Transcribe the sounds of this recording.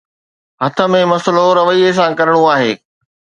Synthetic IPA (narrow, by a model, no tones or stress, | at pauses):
ɦɐt̪ʰə̆mẽmɐsəloɾɐʋəies̬ãkɐɾɪɽ̃uaːɦeː